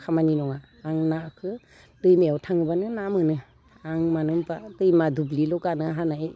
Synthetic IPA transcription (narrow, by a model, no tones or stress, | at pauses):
kʰamaninɔŋaː | ŋnakʰɯ | tɯjmeawtʰaŋɯbanɯnamɯnɯ | aŋmanɯmbatɯjmadubliloɡanɯɦanaj